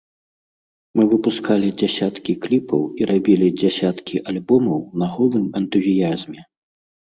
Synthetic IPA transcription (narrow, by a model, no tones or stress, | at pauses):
mɨvɨpuskalʲid͡zʲasʲat̪kʲiklʲipʰɐ̰wiɾabʲilʲid͡zʲasʲat̪kʲʰiʔalʲbɔmɐwnɐɣɔlˠɨmɐnt̪uzʲijazʲmʲɛ